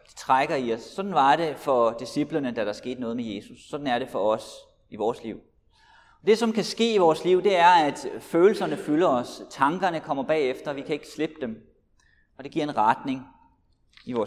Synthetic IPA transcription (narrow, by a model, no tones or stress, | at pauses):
d̥i̥t͡sʰʁaɡ̥ɐiɒ̽sːɒ̽d̥n̩ʋɑ̈ɾ̥e̝fɒ̽d̥isib̥lənəd̥æɾ̥ɑ̈ɐsɡ̥e̝̰ːd̥nɔ̽ːðˠmeje̝ːsusːɒ̽d̥n̩æɐɾ̥e̝fɒ̽ɒ̽s | iʋɒːsliʊ̰ | ɒ̽d̥e̝sɒ̽mkʰæsɡ̥e̝̰ːiʋɒːsliʊ̰d̥e̝æɐæd̥føːl̩sɐnəfylɐɒ̽st͡sʰɑ̈ŋɡ̥ɐnəkʰɒ̽m̰ɐb̥ɛ̰ːefd̥ɐʋikʰæe̝ɡ̥ə̥sleb̥əd̥em | ɒ̽d̥e̝ɡ̥iɐ̰e̝nʁad̥ne̝ŋ | iʋɒː